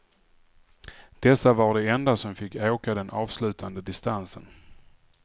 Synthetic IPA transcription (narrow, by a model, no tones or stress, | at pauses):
d̪̥ɛsːavaɖɛɛnd̪asɔmfɪkːeːkad̪ɛnʔɑːvslʉ̟ːt̪ʰand̪əd̪ɪst̪ansən